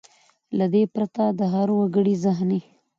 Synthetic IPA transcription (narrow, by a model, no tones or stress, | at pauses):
lad̪epɾat̪ad̪əɦaɾwaɡəɽizaɦni